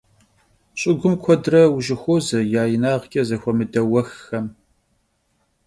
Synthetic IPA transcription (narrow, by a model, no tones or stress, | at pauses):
ɕʼɪɡʷʊmkʷʰɔdrɐwʒɪxʷoːzɐjaːjɪnaːʁkʲʼɐzɐxʷɔmɨdɐwɐxːɐm